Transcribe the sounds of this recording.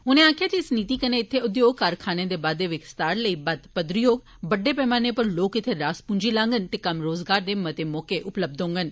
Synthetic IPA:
ʊnẽːaːkʰɪjaːkisəniːt̪iːkəneːɪt̪ʰːeːʊd̪joːɡkəɾkʰaːneːd̪eːbaːd̪eːʋɪkst̪aːɾləiːbəd̪pəd̪ɾɪjoːɡ | bəɖːeːpɛːmaːneːpəɾloːkɪt̪ʰːeːɾaːspʊ̃ɲd͡ʒiːlãːŋɡənt̪eːkəmɾoːzɡaːɾd̪eːmət̪eːmɔːkeːʔʊpləb̚d̪õːŋɡən

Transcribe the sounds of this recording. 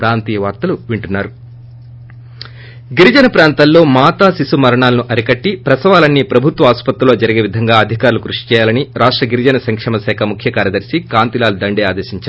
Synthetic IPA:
pɾaːnt̪iːjɐʋaːɾt̪ɐluʋiɳʈunːaːɾu | ɡiɾid͡ʒɐnɐpɾaːnt̪ɐlːo̞ːmaːt̪aːsisumɐɾɐɳaːlɐnuʔɐɾikɐʈːipɾɐsɐʋaːlɐnːipɾɐbʱut̪ʋɐaːspɐt̪ɾulo̞ːd͡ʒɐɾiɡeːʋid̪ʱɐŋɡaːɐd̪ʱikaːɾulukɾuʂi̥t͡ʃɛːjaːlɐniɾaːʂʈɾɐɡiɾid͡ʒɐnɐsɐŋkʂɛːmɐsɛːkʰɐmukʰjɐkaːɾjɐd̪ɐɾsikaːnt̪ilaːlud̪ɐɳɖeːaːd̪eːsiɲt͡ʃa

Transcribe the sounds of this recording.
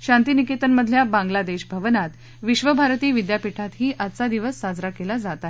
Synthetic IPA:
ɕant̪inikit̪ənməd̪ʱljabãŋɡlad̪eɕbʱəʋənat̪ | ʋiɕʋəbʱaɾt̪iːʋid̪japiʈʰat̪ɦiːʔat͡sad̪iʋəsːad͡zɾakelad͡zat̪a

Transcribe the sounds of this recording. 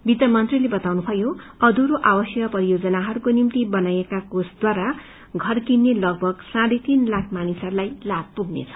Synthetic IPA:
bit̪ʌmʌnt̪rilebʌt̪awnupʰʌjoʌd̪uɾoʔabʌsjʌkpʌɾijod͡zʌnaɦʌɾukonimt̪ibʌnajekakosd̪waɾa | ɡʱʌrkinːelʌɡ̚bʱʌɡsãɽet̪inlakʰmanisʌrlajlab̚puɡnḛt͡sʰʌ̥

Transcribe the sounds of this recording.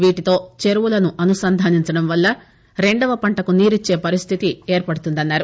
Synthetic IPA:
ʋiːʈit̪o̞ːt͡ʃe̞ɾuʋulɐnuʔɐnusɐnd̪ʱaːniɲt͡ʃɐɽɐmʋɐlːɐ | ɾe̞ɳɖɐʋɐpɐɳʈɐkuniːɾit͡ʃːe̞ːpɐɾist̪ʰit̪ieːɾpɐɽut̪und̪ɐnːaːɾu

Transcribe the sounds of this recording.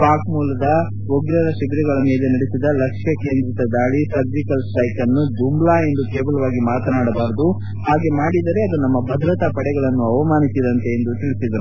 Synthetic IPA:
paːkmuːlɐd̪ɐ | oɡɾɐɾɐʃibiɾɛɡɐɭɐmeːle̞nɐɽesid̪ɐlɐkʂjɐkeːnd̪ɾɐt̪ɐd̪aːɭisɐɾd͡ʒikɐlsʈɐjkɐnːud͡ʒumblaːe̞nd̪ukeːbɐlɐʋaːɡimaːt̪ɐnaːɽɐbaːɾɐd̪u | haːɡe̞maːɽid̪ɐɾe̞ɐd̪unɐmːɐbʱɐd̪ɾɐt̪ɐpɐɽɛɡɐɭɐnːuɐʋɐmaːnisid̪ɐnt̪e̞ːnd̪ut̪iɭisid̪ɐɾu

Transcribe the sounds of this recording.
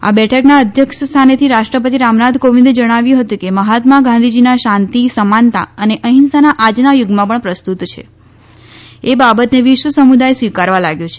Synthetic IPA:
a̰bɛʈʰəknaəd̪ʱjəkʃəst̪ʰanet̪ʰiɾaʃʈɾəp̬ət̪̬iɾamnad̪ʱkoʋĩnd̪ed͡ʒəɽ̃aʋjũɦət̪ũkeməɦat̪maɡãnd̪ʱid͡ʒinaʃãnt̪isəmant̪a̰əneʔəɦinsanaʔad͡ʒnajʊɡmãpəɳpɾəst̪ut̪t͡ʃʰḛ | ebabət̪neʋɪʃʋəsəmud̪ajsʋikaɾʋalaɡjõt͡ʃʰe

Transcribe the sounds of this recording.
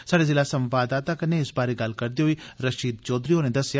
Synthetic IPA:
saːɽezɪlasɐ̃mʋaːd̪aːt̪akɐnẽɪsbaːɾeɡɐlkɐɾd̪iɦoiɾəʃiːd̪̚t͡ʃɔːd̪ɾiɦoːnẽd̪ɐsja

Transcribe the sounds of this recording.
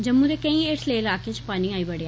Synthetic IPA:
d͡ʒəmːũd̪eːkə̃ĩːɪʈleːɪlaːket͡ʃpaːnĩaːiːbəɽea

